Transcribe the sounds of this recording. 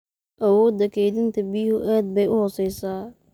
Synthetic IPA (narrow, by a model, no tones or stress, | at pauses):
ʔɐwɔːd̪ɐkʰɛjd̪ɪnt̪ʰɐbiːhʊʔaːd̪̚bɛjʊhɔːsɛjsaː